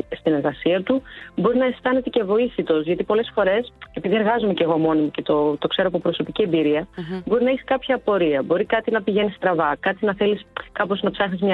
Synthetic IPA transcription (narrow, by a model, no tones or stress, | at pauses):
st̪ine̞ɾɣɐsiɐt̪ubo̞ɾinɐe̞st̪ɐne̞t̪e̞ce̞vo̞isit̪o̞zʝɐt̪ipo̞le̞sfo̞ɾe̞se̞piðie̞ɾɣɐzomece̞ɣomo̞nimuce̞t̪ot̪o̞kse̞ɾoɐpopɾo̞so̞picie̞mbiɾiɐbo̞ɾinɐeçi̥skɐpçɐpo̞ɾiɐbo̞ɾikɐt̪inɐpiʝe̞nist̪ɾɐvɐkɐt̪inɐθe̞liskɐpo̞znɐpsɐxnizmɲɐ